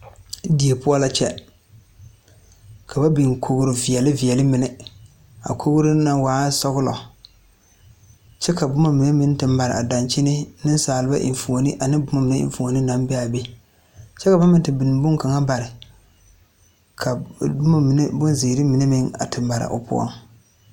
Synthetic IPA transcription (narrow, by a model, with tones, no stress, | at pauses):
di˨e˨pu˦a˦la˦t͡ʃɛ˦ | ka˨ba˦bɪ˨ŋ˨kʰo˦ɣʊ˦ɾɪ˨vi˨ɛ˨lɪ˦vi˨ɛ˨lɨ˦mɪ˨nɪ˨ | a̰˨kʰo˦ɣʊ˦ɾʊ˦na˦˨waː˨˦sɔ˦ɣʊ˦lɔ̰˨ | t͡ʃɛ˦ka˨bʊ˦ma˦mɪ˨ne˦mɪ˦n˦tɨ˨mːa˨ɾɪ̰˨a˨da˨nt͡ʃi˦nɪ˦nɨ˦n˦saː˨lɨ˨˦ba˦ʔɪ̰˨ɱfu˨o˨nɨ˦ʔa˨nɨ˦bʊ˦ma˦mɪ˨nɛ˦ɪ̰˨ɱfu˨o˨nɨ˦na˨mbɛ˦a˨be˦ | t͡ʃɛ˦ka˨ba˦mɪ˦n˦tɨ˨bɪ˨n˨bʊ˦ŋka˨ŋa˦ba˨ɾɪ˨ | kʰa˨bma˦˨˦bʊ˦nze˨ɾɨ˦mi˨nɨ˦mɪ˦ŋa̰˨tɨ˨mːa˨ɾa̰˨ʔʊ̰˨pʊ̰˦ɔ̰˦ŋ